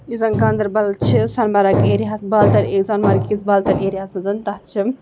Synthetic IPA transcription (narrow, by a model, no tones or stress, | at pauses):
izɐŋɡɐnd̪ɐɾbɐlt͡ʃʰisɐnbɐɾɐkeɾiɦasbɐlt̪ɐɾekzɐnmɐɾkisbɐlt̪ɐɾeɾiɦasmɐzɐnt̪ɐt͡ʃʰi